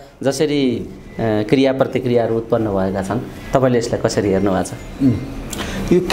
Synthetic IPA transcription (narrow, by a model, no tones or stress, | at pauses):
d͡zʌsʌɾi | krijaprʌt̪ikrijaʌɾuːt̪̚pʌnːʌbʱʌekat͡sʰʌnt̪ʌpãĩleeslajkʌsʌɾiɦernubʱat͡sʰʌ | jok